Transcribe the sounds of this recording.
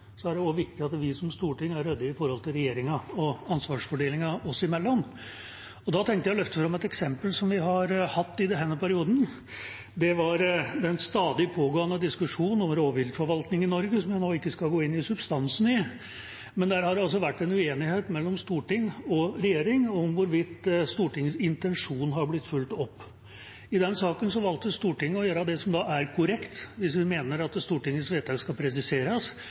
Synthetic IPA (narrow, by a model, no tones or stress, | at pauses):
sɔæɖɛɔʋɪk̚t̪ɪɑt̪ʋɪsɔmst̪uːʈɪŋːæɾød̪ːəɪfɔɾhɔlt̪ʰɪlɾɛjeːɾɪŋɑɔɑnsʋɑːʂfɔɖeːlɪŋɑɔsɪmɛlːɔm | ɔd̪ɑt̪ʰɛŋkt̪əjæɪlœft̪əfɾɑmɛt̪ɛksɛmpəlsɔmʋɪɦɑɾhɑt̪ːɪd̪ɛnɦɛnːəpʰæɾɪuːd̪n | d̪ɛʋɑɾd̪ɛnst̪ɑːd̪ɪpʰoːɡoːənəd̪ɪskʉʂuːn̩ɔmɾoːʋɪld̪fɔɾʋɑlt̪nɪŋɪnɔɾɡəsɔmjænoːɪkːəskɑlɡoːɪnːɪsʉbst̪ɑnsn̩ɪ | mɛnd̪æɾhɑɾɔls̬ɔʋæʈːɛnʉeːnɪheːt̪mɛlːɔmst̪uːʈɪŋːɔɾɛjeːɾɪŋɔmʋʊɾʋɪt̪ːst̪uːʈɪŋːəsɪnt̪ɛnʂuːnɦɑɾblɪt̪ːfʉlt̪ɔpː | ɪd̪ɛnsɑːkənsɔʋɑlt̪əst̪uːʈɪŋːəɔjøːɾəd̪ɛsɔmd̪ɑʔæɾkʰʊɾɛkt̪ʋɪsʋɪmeːnəɾɑt̪st̪uːʈɪŋːəsʋeːt̪ʰɑɡskɑpʰɾɛs̬ɪseːɾɑs